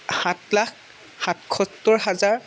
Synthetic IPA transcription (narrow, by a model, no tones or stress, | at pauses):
hãtlakː | atkʰɔtːɔɹɦazaɹ